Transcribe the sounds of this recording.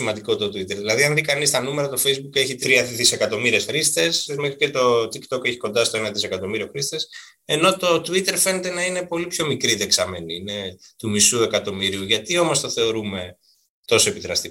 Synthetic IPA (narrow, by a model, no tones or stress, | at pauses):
imɐnd̪iko̞t̪o̞t̪uit̪eɾðilɐðiɐnðikɐnist̪ɐnume̞ɾɐt̪o̞fe̞jzbuke̞çit̪ɾiɐðise̞kɐt̪o̞miɾie̞sfɾist̪e̞sme̞xɾicet̪o̞t̪ikt̪o̞ke̞çi̥ko̞nd̪ɐst̪oenɐðise̞kɐt̪o̞miɾio̞xɾist̪e̞s | e̞no̞t̪o̞t̪uit̪e̞ɾfe̞ne̞t̪e̞nɐine̞po̞lipço̞mikɾiðeksɐme̞ninet̪umisue̞kɐt̪o̞miɾiuʝɐt̪io̞mo̞st̪oθe̞o̞ɾume̞ | t̪o̞so̞epiðɾɐst̪i